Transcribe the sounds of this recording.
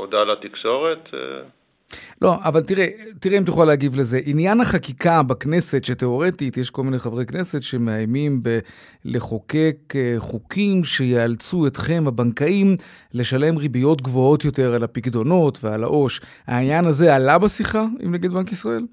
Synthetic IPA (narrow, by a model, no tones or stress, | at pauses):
odalat̪ikʃo̞ʁet̪ḛ | lʔo̞ʔavalt̪iʁetiʁeimt̪juχaleaɡivle̞ze̞ʔinjanaχakikabakne̞setʃete̞o̞ʁe̞titjeʃko̞lmineχavʁejkne̞setʃe̞meajmimbe | le̞χo̞ke̞kχukimʃe̞jealt͡sue̞tχe̞mabaŋkaimle̞ʃale̞mʁibijo̞tɡvo̞o̞t̪jo̞te̞ʁalapikdo̞no̞tveala̰ʔo̞ʃ | ha̰injanaze̞alabesiχaḭmneɡid̪bankisʁae̞l